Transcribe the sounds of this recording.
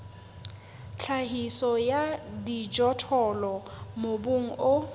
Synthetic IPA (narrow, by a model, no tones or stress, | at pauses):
t͡ɬʰaɦisɔjadid͡ʒɔtʰɔlɔmobʊŋ̩ʊ